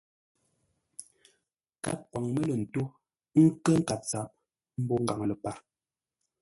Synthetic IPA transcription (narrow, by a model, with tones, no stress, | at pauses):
ka̰˦kwa˨ŋmə˦lə˨n̩˨to˦ | ŋ̩˦kə˦ŋ̩˦ka˨p̚t͡sa˨p̚ | m̩˦bɔ˦ŋ̩˨ɡa˨ŋlə˨pa˨ɾ